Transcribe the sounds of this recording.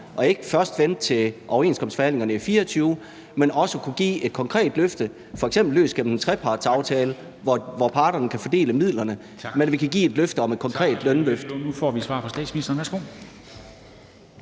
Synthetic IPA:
ʔɒ̽e̝ɡ̥əfɶɐsd̥ʋen̰d̥̚t͡sʰe̝ʔɒʊɐe̝̰ːnskʰɒ̽msfɒ̽hæn̰le̝ŋɐnəifiːɐɒt͡sʰyːʊ | menɒ̽səkʰuɡ̥ḭːe̝d̥̚kʰɒ̽ŋkʰʁɛ̰ːd̥løfd̥ə | fɒ̽eɡ̥sem̰b̥l̩ːø̰ːsɡ̥em̰m̩ent͡sʰʁɛpʰɑ̈ːd̥sɑ̈ʊt͡sʰɛːlə | ʋɒʋɒpʰɑ̈ːɾ̥ɐnəkʰæfɒd̥e̝̰ːləmið̰ˠlɐnə | menʋikʰæɡ̥ḭːe̝d̥løfd̥əɒ̽med̥̚kʰɒ̽ŋkʰʁɛ̰ːd̥lœnløfd̥nufɒ̰ʋisʋɑ̈ːfʰɒ̽sd̥ɛ̰ːd̥sminisd̥ɐːnʋæsɡ̥o̝̰ː

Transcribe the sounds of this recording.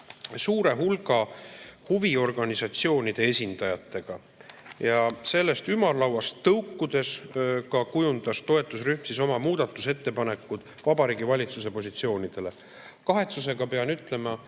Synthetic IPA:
suːɾe̞ɦulɡ̥ɑhuvio̞rɡ̥ɑnisɑt̪sio̞ːnid̪̥e̞esʲind̪̥ɑjɑt̪ːˑe̞ɡ̥ɑ | jɑse̞lːe̞st̪ymɑrlɑwɑst̪ːɤwkːud̪̥e̞skɑkujund̪̥ɑst̪o̞e̞t̪ːˑusryhmsiso̞mɑmuːd̪̥ɑt̪ːˑuse̞t̪ːe̞pɑne̞kːˑud̪̥ | vɑbɑɾiːɡivɑlʲit̪sus̬e̞po̞s̬ʲit̪sio̞ːnid̪̥e̞le̞ | kɑɦe̞t̪suse̞ɡ̥ɑpe̞ɑnyt̪ˑle̞mɑ

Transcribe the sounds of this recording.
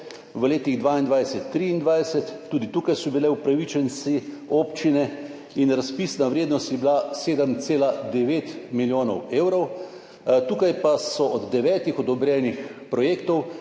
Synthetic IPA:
ʋəleːt̪iɣd̪ʋaːind̪ʋajsɛt̪ːɾiːnd̪ʋajsɛt̪ːuːd̪it̪uːkajsɔbilɛwpɾaʋit͡ʃɛnsioːpt͡ʃinɛ | inɾaspisnaʋɾeːd̪nɔst̪jɛbilaseːd̪əmt̪seːlad̪ɛʋeːt̪miljoːnɔweːwɾɔw | t̪uːkajpasɔɔd̪ːɛʋɛːt̪ixɔd̪ɔbɾɛːnixpɾɔjeːkt̪ɔw

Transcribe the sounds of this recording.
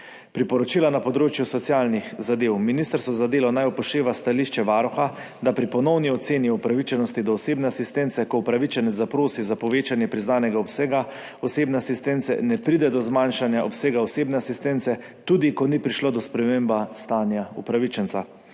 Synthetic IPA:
pɾipɔɾɔt͡ʃiːlanapɔd̪ɾoːt͡ʃjusɔt̪sjaːlnixzad̪eːwminist̪əɾst̪ɔzad̪eːlɔnajɔpɔʃt̪eːʋast̪aliʃt͡ʃɛʋaɾɔxa | d̪apɾipɔnɔwniɔt̪seːnjiupɾaʋit͡ʃɛnɔst̪id̪ɔːseːbnɛasist̪ɛnt̪sɛkɔupɾaʋit͡ʃɛnɛzapɾoːsizapɔʋeːt͡ʃanjɛpɾiznaːnɛɡaɔpseːɡa | ɔseːbnɛasist̪ɛnt̪sɛ̰nɛpɾid̪ɛd̪ɔzmanʃanjaʔɔpseːɡaɔseːbnɛasist̪ɛnt̪sɛ | t̪uːd̪ikɔnipɾiʃloːd̪ɔspɾɛmeːmbast̪aːnjaṵpɾaʋit͡ʃɛnt̪sa

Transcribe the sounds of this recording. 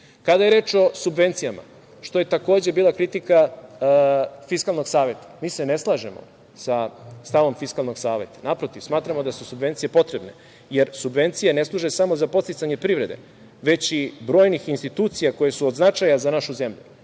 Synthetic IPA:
kad̪ajeɾe̞ːt͡ʃo̞subʋe̞nt̪sijama̰ | ʃt̪o̞je̞t̪ako̞ːd͡ʑe̞biːlˠakɾit̪ika | fiskalˠno̞ɡsaːʋe̞t̪ḁmiːse̞ne̞slˠaːʒemo̰ | sast̪aʋo̞mfiskalˠno̞ɡsaːʋe̞t̪ḁnapɾo̞t̪iʋsmaːt̪ɾamo̞d̪asusubʋe̞nt̪sije̞po̞t̪ɾe̞bne̞ | je̞ɾsubʋe̞nt̪sijeneslˠuʒesamozapot̪st̪it̪aɲe̞pɾiʋɾe̞d̪e̞̰ | ʋe̞t͡ɕibɾo̞ːjnixinst̪it̪uːt̪sijako̞je̞suod̪znat͡ʃajazanaʃuze̞mʎu

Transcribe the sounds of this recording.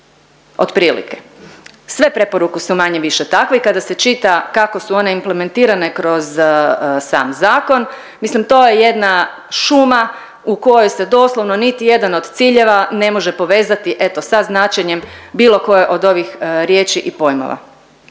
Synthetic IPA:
o̰d̪pɾiːlḭkesʋe̞pɾe̞po̞ɾukusumaɲeʋiʃe̞t̪akʋeikad̪ase̞t͡ʃit̪akakosuo̞ne̞imple̞me̞nt̪iːɾane̞kɾo̞z | sa̰ːmzaːko̞n | mislimt̪o̞je̞je̞d̪na | ʃuma | uko̞jojse̞d̪o̞ːslˠoʋno̞nit̪ije̞d̪ano̞d̪t̪siːʎe̞ʋane̞mo̞ʒe̞po̞ʋe̞ːzat̪iʔe̞t̪o̞saznat͡ʃeɲe̞mbiːlˠo̞ko̞jeʔo̞d̪o̞ʋixɾjeːt͡ʃiʔipo̞jmo̰ʋa̰

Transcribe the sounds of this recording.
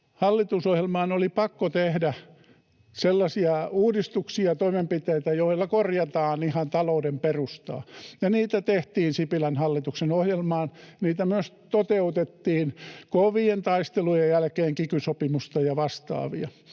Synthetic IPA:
hɑlːit̪usohjelmɑːnolipɑkːot̪ehdæ | selːɑsiɑuːdist̪uksiɑt̪oimempit̪eit̪æjoilːɑkorjɑt̪ɑːnihɑnt̪ɑloudemperust̪ɑ̰ːjɑniːt̪æt̪eht̪iːnsipilænhɑlːit̪uksenohjelmɑːnniːt̪æmyøst̪ot̪eut̪et̪ːiːnkoʋient̪ɑist̪elujejjælkeːŋkikysopimust̪ɑjɑʋɑst̪ɑ̰ːʋiɑ

